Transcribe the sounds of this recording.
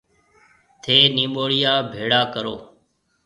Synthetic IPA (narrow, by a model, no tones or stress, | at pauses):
t̪ʰeːnĩːɓoːɽɪjaːbʱeːɽaːkəɾoː